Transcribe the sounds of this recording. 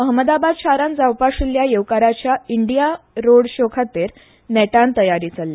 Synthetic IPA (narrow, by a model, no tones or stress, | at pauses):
məɦəməd̪abad̪ɕʰaɾand͡zawpaʂuljajeʋkaɾat͡ɕjaiɳɖijaɾoɽɕokʰat̪eɾ | nɛʈãnt̪əjaɾiːt͡salːa